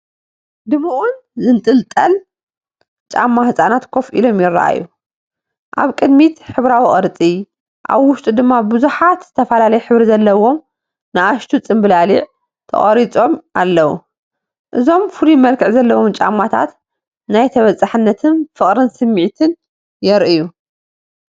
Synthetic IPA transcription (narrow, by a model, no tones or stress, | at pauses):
d̪ɨmuʔunzɨnt̪ʼɨlt̪ʼɐl | t͡ʃʼa̰mːahɨsʼanat̪kʰo̞fʔḭlo̞mjɪrːa̰ʔa̰jːu | ʔa̰βkʼɨd̪mit̪ħɨβɾawiχʼɨɾt͡sʼi | ʔa̰βwʊʃt̪ʼud̪ɨmːabɨzuħat̪z̥ɨt̪ʰɐfɐlalɐjɛħɨβɾizɐlːɐwo̞m | nɨʔaʃt̪ʰut͡sʼɨmbɨlaliʕ | t̪ʰɐ̰χʼɐɾit͡sʼo̞mʔalːɐwṵ | ʔɨzo̞mfɨlimɐlkʰɨʕzɐlːɐwo̞mt͡ʃʼa̰mːat̪ʰa̰t̪ | najt̪ʰɐβɐt͡sʼːaħɨnːɐt̪ʰɨnfɨχʼɾɨnsɨmːiʕt̪ʰɨn | jɛɾʔɨju